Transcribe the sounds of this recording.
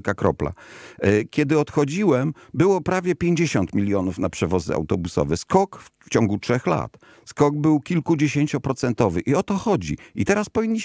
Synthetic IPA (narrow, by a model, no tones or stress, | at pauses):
kakɾɔ̰pla̰ | kʲɛd̪ɘɔt̪xɔd͡ʑiwɛmbɘwɔpɾavʲjɛpʲjeɲd͡ʑeɕɔnt̪mʲilʲjɔnufnapʂɛvɔz̰a̰wt̪ɔbusɔ̰vɛskɔkft͡ɕɔŋɡutʂɛxla̰t̪ | skɔɡ̚bɘwkʲilkud͡ʑeɕeɲt͡ɕupɾɔt̪sɛnt̪ɔvɘʔiɔt̪ɔxɔd͡ʑḭit̪ɛɾaspɔvʲiɲːi